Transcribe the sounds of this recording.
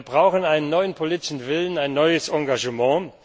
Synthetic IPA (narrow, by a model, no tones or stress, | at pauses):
ɐbʁaʊxənaɪnənːɔʏənpʰoliːtɪ̥ʃn̩vɪlənaɪnːɔʏəsʔɑ̃ŋɡaʒəmɑ̃ː